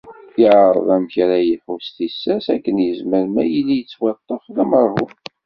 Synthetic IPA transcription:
jəʕɾˤə̰ðˤæmçɾæjəħust̪isːæsækːənjəzməɾmæjəlijət͡sːwɑt̪ˤːəflæməɾˤhu

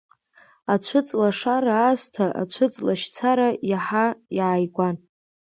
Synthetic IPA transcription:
at͡ɕʷʰʊt͡sʼlaʂaɾaːstʰaʔa̰t͡ɕʷʰʊt͡sʼlaʃt͡sʰaɾajaħajaːjɡʷan

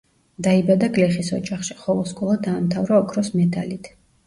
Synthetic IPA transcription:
d̪aibad̪aɡʼlɛχisɔ̰d͡ʒaχʃiχɔvɔskʼɔlˠad̪aːmt̪ʰavɾaɔkʰɾɔsmɛd̪ʰa̰lit̪ʰ

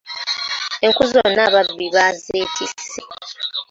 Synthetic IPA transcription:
eŋkuzonaːβabːiβazeːtʰisːi

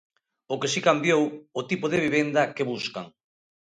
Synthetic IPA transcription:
ʊkesikambjowʊt̪ipoðeβiβend̪ɐkeβuska̰ŋ

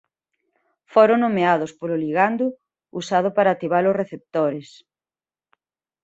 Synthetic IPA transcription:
foɾoŋnomeaðʊspolʊliɣand̪ʊ | usaðʊpaɾaːt̪iβalʊsreθep̚t̪oɾes

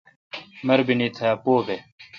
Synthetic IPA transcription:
mɐɾbinit̪ʰɐpoːbe

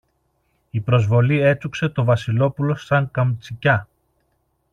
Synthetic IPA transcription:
ipɾo̞zvo̞lie̞t͡sukse̞t̪o̞vɐsilo̞pulo̞sɐŋkɐmt͡sicɐ

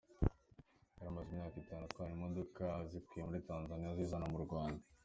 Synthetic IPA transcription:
jaɾamazimɲaːkitaːnutkaːnimo̞dokazikwijemuɾitaːnzanijazizanamuɾɡwaːnda

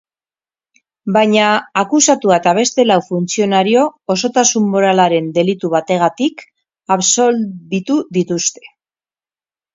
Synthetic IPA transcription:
bajɲaːkusat̪uat̪aβ̞e̞st̪e̞lawfunt͡sio̞naɾio̞ːso̞t̪asumːo̞ɾalaɾe̞nd̪e̞lit̪uβ̞at̪e̞ɣ̞at̪ik | aβso̞lβit̪uðit̪ust̪e̞̥

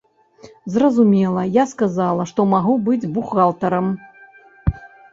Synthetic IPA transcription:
zrɐzumʲɛlˠɐjaskazalˠɐʂt̪ɔmaɣubɨd͡zʲbuxalˠt̪ɐɾɐm

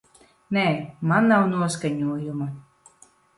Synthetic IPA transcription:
nɛːmanːawnuɔskaɲuɔjuma

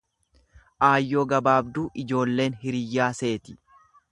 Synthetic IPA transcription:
ʔaːjːoːɡɐbaːbd̪uːʔɪd͡ʒo̞ːlːe̞ːnhɪɾɪjːaːse̞ːt̪ɪ̥

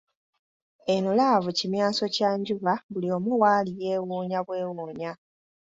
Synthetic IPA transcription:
enulavucimjaːso̞caɲɟuβaβulio̞ːmuwaːlijeːwuːɲaβwe̞ːwuːɲa

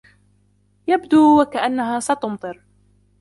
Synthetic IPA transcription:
jabd̪uːwakaʔanːaɦaːsat̪ʊmt̪ˤɨɾ

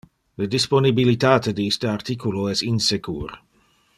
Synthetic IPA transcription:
lədisponibilit̪aːt̪ediist̪əart̪ikuloɛsinsekʰṵːr

